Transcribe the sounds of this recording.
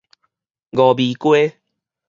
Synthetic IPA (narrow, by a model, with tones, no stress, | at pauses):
ɡɔ˨bi˨kwe˦